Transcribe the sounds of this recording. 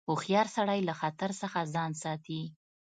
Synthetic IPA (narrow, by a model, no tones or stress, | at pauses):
ʊxjɑɾsaɽajlaxat̪aɾsəxazɑnsɑt̪i